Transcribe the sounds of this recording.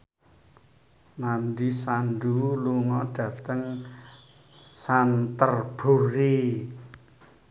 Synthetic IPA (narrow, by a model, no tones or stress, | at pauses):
nanɖisanduluŋɔɖ̥ä̤t̪əŋ | sant̪ərb̥o̤ɾi